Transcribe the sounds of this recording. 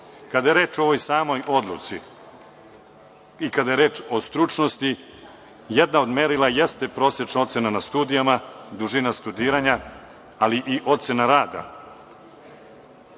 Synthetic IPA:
kad̪ajeɾe̞ːt͡ʃoo̞ʋojsaːmo̞jʔo̞d̪lˠṵt̪sḭ | ikad̪ajeɾe̞ːt͡ʃo̞st̪ɾut͡ʂno̞st̪i | jed̪nao̞d̪meɾilˠajest̪e̞pɾo̞ːsjet͡ʃnao̞t̪se̞nanast̪uːd̪ijamad̪uʒinast̪ud̪iːɾaɲa | aliʔiʔo̞t̪se̞naɾaːd̪a̰

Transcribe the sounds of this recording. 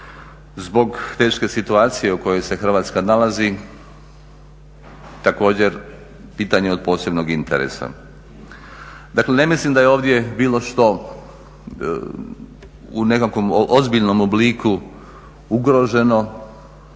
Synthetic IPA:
zbo̞ɡt̪e̞ːʃke̞sit̪uaːt̪sije̞uko̞jo̞jse̞xr̩ʋaːt̪skanalazi | t̪ako̞ːd͡ʑeɾ | piːt̪aɲeo̞d̪̚po̞ːse̞bnoɡint̪ḛɾḛsa̰ | d̪akle̞ne̞mislimd̪ajeoːʋd̪je̞biːlˠo̞ʃt̪o̞ | unekakʋo̞moʔozbiʎno̞mobliku | uɡɾo̞ʒe̞no̞

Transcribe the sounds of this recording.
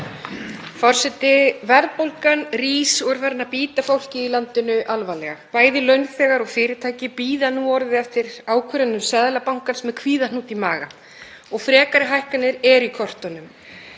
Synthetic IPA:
fɔr̥sɛt̪ɪvɛɾðpowlkanriːsɔɾfɛɾnapiːt̪afowl̥cɪːlant̪ɪnʏʔalvalɛɣa̰paːjðɪlœɥnθɛːɣaɾɔɣfɪːɾɪt̪ʰaːjcɪpiːðanuːɔɾðɪɛft̪ɪɾaːwkʰœɾanːʏmsɛðlapawŋ̥kansmɛðkʰviːðanuːt̪imaːɣa̰ | ɔɣfɾɛːkaɾɪɦajhkanːɪɾɛɾikʰɔr̥t̪ɔnʏm

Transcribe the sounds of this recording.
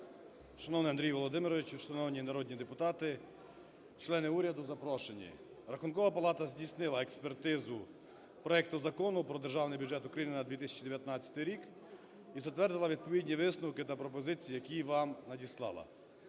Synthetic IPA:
ʃɐnɔwnɪjɐnd̪ɾʲijʋɔlˠɔd̪ɪmɪɾɔʋɪt͡ʃʃɐnɔwnʲinɐɾɔd̪ʲnʲid̪epʊt̪ɑt̪ɪ | t͡ʃlˠɛnɪuɾʲɐd̪ʊzɐpɾɔʃenʲḭ | ɾɐxʊnkɔʋɐpɐlˠɑt̪ɐzʲdʲisnɪlˠɐekspert̪ɪzʊ | pɾɔɛk̚t̪ʊzɐkɔnʊpɾɔd̪erʒɑwnɪjbʲudd͡ʒɛt̪ʊkɾɐjinɪnɐd̪ʋʲit̪ɪsʲɐ̥t͡ʃid̪eʋjɐt̪nɑt͡sʲɐ̥t̪ɪjɾʲik | izɐt̪ʋɛrd̪ɪlˠɐʋʲid̪̚pɔʋʲidʲnʲiʋɪsnɐwkɪt̪ɐpɾɔpɔzɪt͡sʲijijɐkʲiʋɑmnɐdʲislˠɑ̰lˠɐ̰

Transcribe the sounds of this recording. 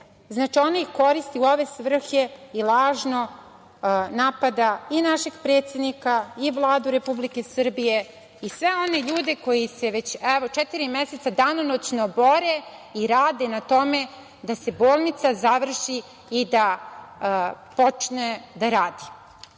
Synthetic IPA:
znaːt͡ʃio̞naixko̞ɾist̪iuo̞ʋe̞sʋr̩xeilˠaːʒno̞ | naːpad̪ainaʃe̞ɡpɾe̞ːt̪sʲje̞d̪nikaiʋlˠaːd̪uɾe̞publike̞sr̩bije̞ | isʋe̞o̞ne̞ʎuːd̪e̞ko̞jise̞ʋet͡ɕɛʋot͡ʃɛt̪iɾimjese̞t̪sad̪anonot͡ɕno̞bo̞ɾe̞iɾaːd̪e̞nat̪o̞me̞ | d̪ase̞boːlˠnit̪sazaʋr̩ʃi | id̪a | po̞t͡ʂned̪aɾaːd̪i̥

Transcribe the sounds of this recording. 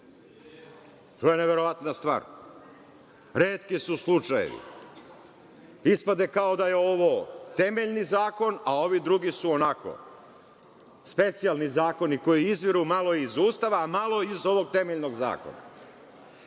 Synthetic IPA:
t̪o̞ːjene̞ʋe̞ɾo̞ʋat̪nast̪ʋa̰ːɾ | ɾeːt̪kisuslˠut͡ʃajḛʋḭ | ispad̪e̞kao̞d̪ajeo̞ʋo̞t̪e̞me̞ʎnizaːko̞nao̞ʋid̪ɾuɡisuonako̰ | spe̞t̪sijalˠnizaːko̞niko̞jiizʋiɾumalˠo̞iizuːst̪aʋaːmalˠo̞izo̞ʋo̞ɡ̚t̪e̞meʎno̞ɡza̰ːko̞̰na̰

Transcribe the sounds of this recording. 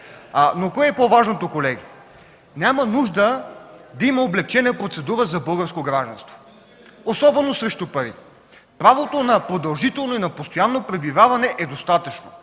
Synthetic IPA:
nokɔjɛpovaʒnot̪okolɛɡi | nʲamənuʒd̪əd̪ɐimɐoblɛk̚t͡ʃɛnəpɾot̪sɛd̪uɾəzɐbɤlˠɡəɾskoɡɾaʒd̪ɐ̰nst̪vo̥ | osɔbɛnːosɾɛʃt̪upɐɾḭ | pɾavot̪onɐpɾod̪ɐlˠʒit̪ɛlˠnoinɐpost̪ojanːopɾɛbivavɐnɛʔɛd̪ost̪at̪ət͡ʃno

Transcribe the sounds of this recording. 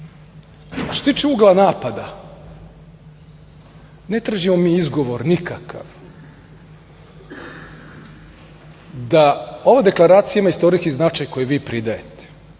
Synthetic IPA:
st̪ost̪iːt͡ʃeuːɡlˠanaːpad̪a | ne̞t̪ɾaʒimomiːizɡo̞ʋoɾnikakʰa̰ʋ | d̪aoʋad̪e̞klˠaɾaːt̪sijamaist̪o̞ɾiskiznat͡ʃajko̞jeʋiːpɾid̪aet̪e̥

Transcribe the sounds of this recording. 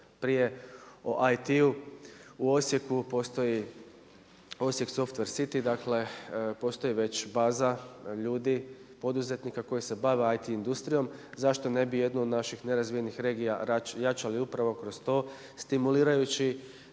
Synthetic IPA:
pɾije̞oʔajt̪iuuo̞sje̞kupo̞ːst̪o̞ji | o̞sje̞kso̞ft̪ʋe̞ɾsit̪id̪akle̞po̞ːst̪o̞jiʋe̞t͡ɕbaːzaʎuːd̪ipo̞d̪uze̞t̪nikako̞jise̞baʋe̞ajt̪iind̪ust̪ɾijo̞mzaʃt̪o̞ne̞bije̞d̪nuod̪naʃixne̞ɾazʋije̞nixɾe̞ːɡijaajat͡ʃaliupɾaʋo̞kɾo̞st̪o̞ː | st̪imuliːɾajut͡ɕi

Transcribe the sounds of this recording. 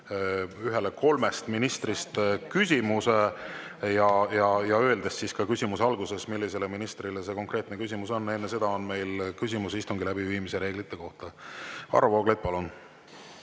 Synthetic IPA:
yɦe̞leko̞lme̞st̪minist̪rist̪kys̬ʲimuse̞ | jɑjɑjɑøe̞ld̪essiskɑkysʲimuseɑlɡuse̞smilːise̞le̞minist̪rilese̞ko̞ŋkre̞ːt̪nekysʲimuso̞nːe̞nːese̞d̪ɑo̞nme̞jlkys̬ʲimusist̪uŋɡilæbiviːmise̞ɾe̞ːɡ̥lit̪ːˑe̞ko̞ht̪ɑɑ̰ɾuvoːɡlet̪̚pɑlun

